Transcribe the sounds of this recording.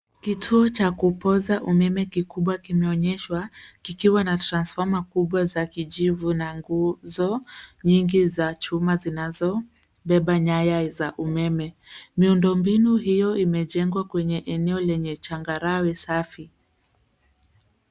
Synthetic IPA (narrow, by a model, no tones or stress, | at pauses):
kitʰuɔt͡ʃakupɔzaʔumɛmɛkikuɓwakimɛɔɲɛʃwakikiwanatɾansfɔmakuɓwazakiʄivunaŋɡuzɔɲiŋɡizat͡ʃumazinazɔ | ɓɛɓaɲajazaʔumɛmɛ | miundɔmbinuɦijɔimɛʄɛŋɡwakwɛɲɛʔɛnɛɔlɛɲɛt͡ʃaŋɡaɾawɛsafi